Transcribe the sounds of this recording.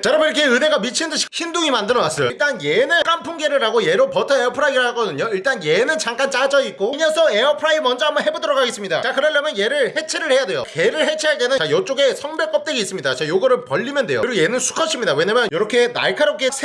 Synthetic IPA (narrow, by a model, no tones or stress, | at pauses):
t͡ɕaɾʌbɯiɾkʰeɯnɦe̞ɡamit͡ɕʰiɯndɯɕʰi̥çinduŋimandɯɾʌnas͈ʌjoɭt͈anjenɯk͈ampʰuŋɡe̞ɾɯɭɾaɡoje̞ɾopʌtʰʌeʌpʰɯɾaiɾɯɭhaɡʌdɯɲoiɭt͈anje̞nɯnt͡ɕaŋk͈ant͡ɕ͈ad͡ʑʌik͈oɲʌnsʰʌeʌpʰɯɾaimʌnd͡ʑʌambʌnɦe̞bodɯɾʌɡʰaɡe̞s͈ɯmɲida̰t͡ɕakɯɾʌɭːamjʌnje̞ɾɯɭhet͡ɕʰeɾɯɭhe̞jade̞jo̰ke̞ɾɯɭɦe̞t͡ɕʰeɦaɭt͈e̞nɯt͡ɕajʌt͡ɕ͈oɡe̞sʰʌŋbe̞k͈ʌp̚t͈eɡiis͈ɯmɲidat͡ɕajoɡʌɾɯɭpʌʎːimjʌnde̞jo̰ɾojenɯnsʰu̥kʰʌɕʰimɲidawe̞ɲamjʌnjʌɾʌkʰe̞na̰ɭkʰaɾok͈ʰesʰ